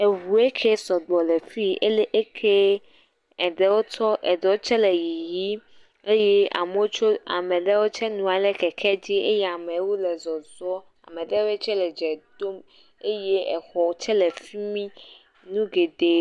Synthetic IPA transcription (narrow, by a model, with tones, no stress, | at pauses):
e˨ɦu˨e˦kʰe˦sɔ˨ɡ͡bɔ˨le˨fi˦e˦le˦ʔe˦kʰe˦ | ɛ˨ɖɛ˨wo˦t̪ɔ˦ʔɛ˨dɛ˨wo˦t͡ʃɛ˦lɛ˨ji˨ji˦ | e˦jɛ˦a̰˨me˨˦wo˦t͡ʃo˦a̰˨mɛ̃˨ɖɛ˦wo˦t͡ʃɛ˦nũ˨a˨lɛ˦kɛ˨kʰɛ˦d͡ʑi˦ʔe˦jɛ˦˨a˨mẽ˨˦wo˦lɛ˨zɔ˨zɔ˦ | a̰˨mɛ̃˨ɖɛ˦wo˦e˦t͡ʃɛ˦lɛ˨d͡ʒɛ˨d̪o˦m | e˦je˦ɛ˨xɔ˨wo˦t͡ʃɛ˦lɛ˨fi˦mĩ˦ | nũ˦ɡe˨d̪e˦